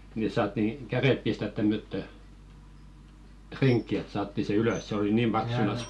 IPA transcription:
ni sɑːtːi kæreˑp pistæt tæmːøtːø triŋkːi et sɑːtːi se yløs se oli niːm b̥ɑksunɑs

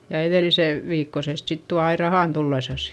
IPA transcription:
jɑ eðeˑlise ʋiːkːosest sit tuɑ ɑi rɑhɑˑn tulːesɑsi̥

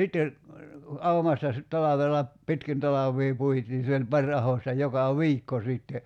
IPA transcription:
sitːe ɑumɑstɑ sit tɑlɑʋelːɑ pitkin tɑlɑʋˑiː puitiːn̞ se olʲ pɑrʲ ɑhostɑ jokɑ wˑiːkːo siˑtːe

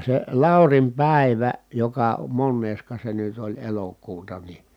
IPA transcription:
se lɑˑurim pæˑiʋæ jokɑ monːeːskɑ se nyt olʲ elokuːtɑ ni

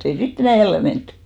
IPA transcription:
ei sit enæˑ jælːe mentːẙ

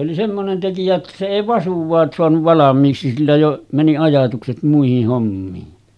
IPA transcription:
oli semːonen tekijæ etːæ se eˑi ʋɑsuʋˑɑːs soɑnuʋ ʋɑlɑmˑiːksi silːæ jo mæni ɑjɑtukset muihih homːiːn

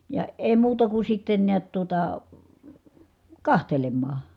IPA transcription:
jɑ eˑi̯ muːtɑ ku sitːen niæt tuotɑ kɑhtelemːɑː

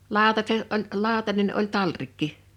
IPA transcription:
lɑˑo̝tɑset olʲ lʲɑˑo̝tɑnen olʲ tɑlrikːi

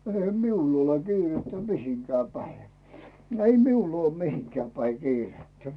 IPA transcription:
eihæ miulː ole kiːretːæ mihiŋkæː pæi ei miul uoː mihiŋkæː pæi kiːretːæ

